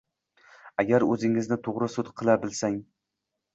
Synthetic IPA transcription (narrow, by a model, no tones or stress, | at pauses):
aɡʲaɾɵzɪŋɪznɪt̪ʰoʁɾɨsʊt̪qʰɨlˠabɪlsaŋ